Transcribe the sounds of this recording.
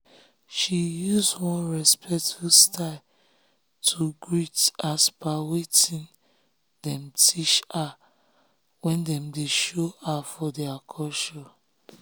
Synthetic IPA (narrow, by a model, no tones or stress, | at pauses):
ʃijusdwɔ̃nɹɛspʰɛktfustʰaɪ | tʰuɡɹitaspawetĩn | dɛ̃mtʰiʃa | wɛ̃ndɛ̃mdeʃoafɔdɛakʰɔʃɔ